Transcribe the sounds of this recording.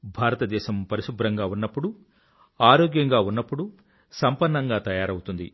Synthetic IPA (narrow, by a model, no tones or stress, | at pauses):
bʱaːɾɐt̪ɐd̪ɛːʃɐmpɐɾiʃubɾɐŋɡaːunːɐpːuɽu | aːɾoːɡjɐŋɡaːunːɐpːuɽu | sɐmpɐnːɐŋɡaːt̪ɐjaːɾɐwut̪und̪ḭ